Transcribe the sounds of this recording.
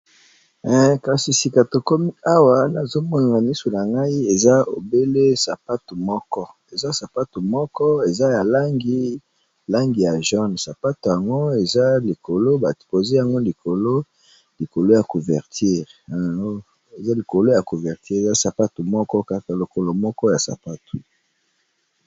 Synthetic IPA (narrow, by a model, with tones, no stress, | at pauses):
ɛ˨ka˨si˨si˨ka˨to˨ko˦mi˦a˦wa˨na˨zo˦mɔ˦na˨ŋa˨ni˦so˨na˨ŋɡa˦i˦e˨za˦o˨be˦le˦sa˨pa˦to˨mɔ˦kɔ˦ | e˨za˦sa˨pa˦to˨mɔ˦kɔ˦e˨za˦ja˨la˦ŋɡi˦ | la˦ŋɡi˨ja˨ʒɔ˦nsa˨pa˦to˨ja˨ŋɡo˦e˨za˦li˨ko˨lo˦ba˨po˨ze˦ja˨ŋɡo˦li˨ko˨lo˦ | li˨ko˨lo˦ja˨ku˨vɛ˨ʁtʰi˦ʁa˨ɡo˦ | e˨za˦li˨ko˨lo˦ja˨ku˨vɛ˨ʁti˦ʁza˦sa˨pa˦tu˨mɔ˦kɔ˦ka˨ka˨lo˨ko˨lo˨mɔ˦kɔ˦ja˨sa̰˨pa˦tʰu˨